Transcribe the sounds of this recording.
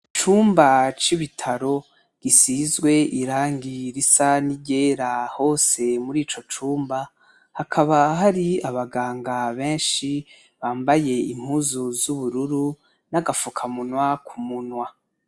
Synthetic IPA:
t͡ʃuːmbat͡ʃiβitʰaɾo̞ | ɡ̥isizɡwe̞ʔiɾaːŋɡiɾisaniɟe̞ːɾaho̞ːse̞muɾiːt͡ʃo̞t͡ʃuːmba | hakʰaβaɦaɾiaβaɡaːŋɡaβe̞ːnʃi | βaːmbaje̞im̥huzuzuβuɾuɾu | naɡafukʰamunwakʰumunwa

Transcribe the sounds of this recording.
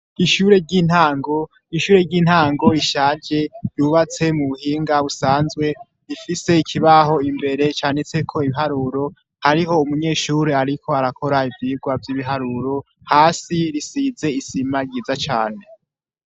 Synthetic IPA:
iʃuɾe̞ɟiːn̥haːŋɡo̞ | iʃuːɾe̞ɾɟiːn̥haːŋɡo̞iʃaːd͡ʒe̞juːβat͡se̞muβuhiːŋɡaβusaːnzɡwe̞ | ɾifise̞ikʰiβaɦo̞imbe̞ɾe̞t͡ʃaːnet͡se̞kʰo̞iβiɦaɾuːɾo̞ | haɾiɦo̞umuɲe̞ːʃuɾeaɾikʰo̞aɾakʰo̞ɾaivjiːɡwavjiβiɦaɾuːɾo̞ | haːsiɾisiːze̞isimaɾɟiːzat͡ʃaːne̞

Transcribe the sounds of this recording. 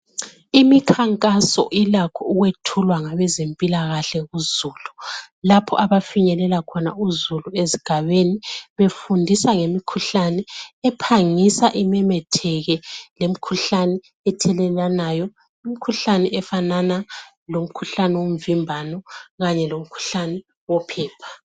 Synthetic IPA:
imikʰaŋkʼasɔ̰ʔilakʰɔuɣwetʰulwaŋaβɛzempʼilaɣaɬɛɣuzuːlu | lapʰɔ̰ʔaβafiɲɛlɛlakʰɔna̰uzulueziɡ̥ʱaβeniβefundʱisaŋemikʰuɬanɛɛpʰaŋisaʔimɛmɛtʰɛɣɛlem̩kʰuɬanɛ | ɛtʰɛlɛlanajɔ | im̩kʰuɬanɛʔɛfanana | lom̩kʰuɬanɛwom̩vimbʱanɔɣaɲɛlom̩kʰu̥ɬanɛ | wɔpʰɛːpʰḁ

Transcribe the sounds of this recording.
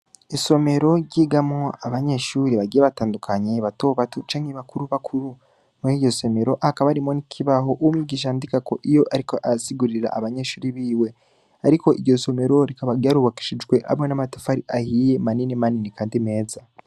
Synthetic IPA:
iso̞me̞ɾo̞ɾɟiːɡamŋoaβaɲeʃuːɾiβaɡiːjeβataːndukʰaɲeβatoβatut͡ʃaːŋeβakʰuɾuβakʰuɾu | muɾiːɟo̞so̞me̞ɾo̞ʔakaβaɾimonikʰiβaɦo̞ʔuwumŋiɡiʃ̬andikako̞ʔijo̞ʔaɾikoʔasiɡuɾiɾa̰ʔːβaɲe̞ʃuːɾiβiːwe̞ | aɾiko̞ʔiɾɟo̞so̞me̞ɾo̞ɾikaβaɡaːɾuβaki̥ʃid͡ʒɡwe̞ʔa̰monamatḁfaɾiʔahije̞maninimaninikaːndime̞ːza

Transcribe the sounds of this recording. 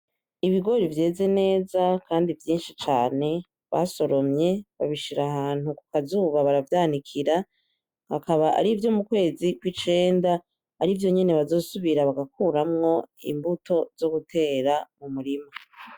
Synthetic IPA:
iβiɡo̞ɾivje̞ːze̞ne̞ːzakʰaːndivjiːnʃit͡ʃaːne̞ | βa̰so̞ɾo̞mɲe̞βaβiʃiɾahaːn̥huku̥kazuβaβaɾavjaːnikʰiɾa | ha̰kaβaʔa̰ɾivjo̞mukwe̞ːzikwit͡ʃe̞ːndaː | ɾivjo̞ɲe̞ne̞βazo̞ːsuβiɾaβaɡak̚uːɾamŋo̞ḭmbutʰo̞z̥o̞ɡutʰe̞ːɾamumuɾima

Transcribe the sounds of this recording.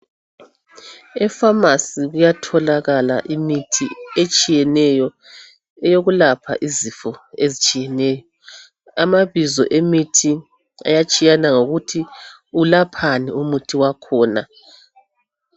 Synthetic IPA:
ɛfamasiɣujatʰɔlaɣala̰ʔimitʰiet͡ʃʼijɛnɛjɔ | ɛjoɣulapʰa̰ʔizifɔezit͡ʃʼijɛnɛːjɔ | amaβizɔ̰ʔemitʰi | a̰jat͡ʃʼijanaŋoɣutʰi | ulapʰaniumutʰiwakʰɔːna̰

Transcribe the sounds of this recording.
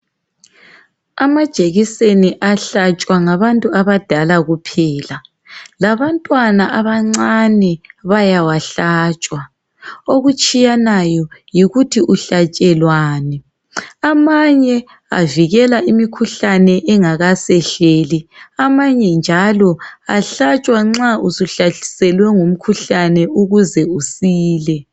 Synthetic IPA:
amad̥ʒ̥ʱeɣiseniʔaɬat͡ʃʼwaŋaβantʼuaβad̥ʱalaɣupʰɛːla | laβantʼwanaʔaβaŋ͡ǀanɛβajawaɬat͡ʃʼwa | oɣut͡ʃʼijanajɔjiɣutʰiʔuɬat͡ʃʼɛlwaːnɛ | amaɲɛ | a̰viɣɛlaʔimikʰuɬanɛʔɛŋaɣasɛɬeːliamaɲɛnd͡ʒʱalɔa̰ɬat͡ʃʼwaŋ͡ǀausuɬaɬi̥sɛlwɛŋum̩kʰuɬanɛuɣuzɛusiːlɛ

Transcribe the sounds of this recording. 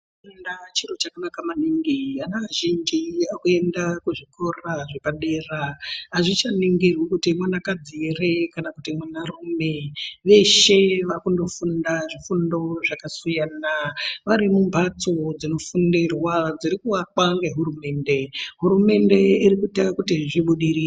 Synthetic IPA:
endat͡ʃiro̞t͡ʃakanakamaniŋɡianaʋaʒind͡ʒiakue̞ndakuʐikʰoraʐe̞paɗeraɦaʐit͡ʃaniŋɡerwekutimwanakad͡zirekanakutimwanarume̞ʋe̞ʃeʋakundo̞fundaʐifundo̞ʐakasujaːnaʋaɾimumpat͡sod͡zino̞fundirwad͡ziɾikuwakaŋɡeɦuɾume̞ːnde̞ɦuɾume̞nde̞iɾikutakutiʐiɓuɗiɾi

